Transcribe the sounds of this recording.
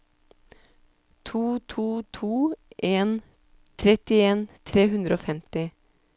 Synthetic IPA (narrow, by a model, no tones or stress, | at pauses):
t̪ʰuːt̪ʰuːt̪ʰuːʔeːn | t̪ʰɾɛt̪ɪeːnt̪ʰɾeːhʉnd̪ɾəoːfɛmt̪ɪ